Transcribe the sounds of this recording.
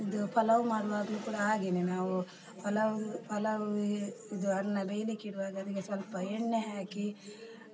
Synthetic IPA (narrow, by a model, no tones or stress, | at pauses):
id̪upʰɐlɐʋumaːɽʋaːd̪lukuːɽaaːɡininaːʋu | pʰɐlɐpʰɐlɐʋid̪uɐɽɐnːɐbejlikiɽuʋaːɡɐɐd̪ikːesʋɐlpɐeɳːeɦaːki